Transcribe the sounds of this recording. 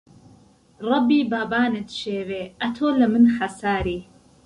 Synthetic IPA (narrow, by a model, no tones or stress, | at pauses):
rˤɑbiːbaːbaːnɨt̪ʃeːweːʔɐt̪ʰoːlɐmɨnħɐsaːɾiː